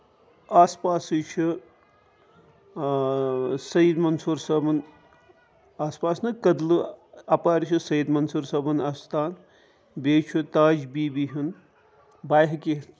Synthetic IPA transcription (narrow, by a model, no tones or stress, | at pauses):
aːspaːsɨt͡ʃʰi | sɐid̪mɐnsuɾsəbɐn | aːspaːsnɨkɐd̪lɨɐpaːɾt͡ʃʰisɐid̪mɐnsuɾsɐbɨnɐst̪ʰaːn | beːt͡ʃʰut̪aːd͡ʒbiːbiɦin | baːjɦki